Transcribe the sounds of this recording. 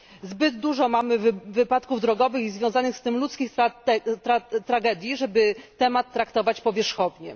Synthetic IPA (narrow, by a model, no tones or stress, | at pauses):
zbɘd̪d̪uʐɔmamɘvːɘpat̪kuvd̪ɾɔɡɔvɘxizvʲjɔw̃zanɘxst̪ɘmlut̪skʲixt̪ɾaɛt̪ɾat̪ɾaɡɛd̪ʲjiʐɛbɘt̪ɛmat̪ːɾakt̪ɔvat͡ɕpɔvʲjɛʂxɔvɲɛ̰